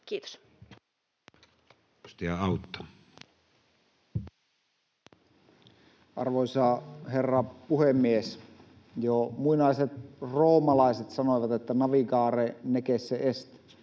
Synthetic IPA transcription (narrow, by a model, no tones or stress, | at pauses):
kiːt̪o̥s | ust̪ijɑɑˑut̪ːɑ̥ | ʔɑ̰rʋoisɑherːɑpuhemːies | jomuinɑiset̪̚roːmɑlɑiset̪sɑnoˑjʋɑt̪et̪ːænɑʋikɑːrenekesːeʔest̪i̥